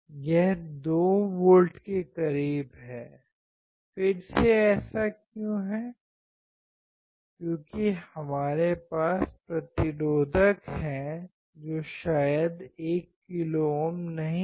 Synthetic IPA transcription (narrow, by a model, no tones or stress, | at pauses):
jɛɦd̪oːʋoːlʈkekɐɾiːbɦɛː | fɪɾseɛːsakjũːɦɛː | kjõːkihɐmaːɾepaːsspɾɐt̪ɪɾoːd̪ʱəkɦɛ̃ | d͡ʒoːʃaːjəd̪eːkːɪlomnɐɦĩ